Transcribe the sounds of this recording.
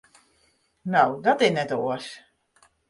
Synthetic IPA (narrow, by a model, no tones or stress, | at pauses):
nowdɔtɪnɛtoəs